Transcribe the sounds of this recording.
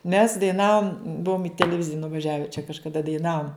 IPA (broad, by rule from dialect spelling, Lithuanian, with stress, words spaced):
mʲɛs dɐɪˈnɑːʋʊm ˈbʊʋʊm ɪ tʲɛlʲɛˈʋʲɪzʲɪjɛ nʊʋɐˈʒʲæːʋʲɛ t͡ʃʲɛ kɐʃkɐˈdɐ dɐɪˈnɑːʋʊm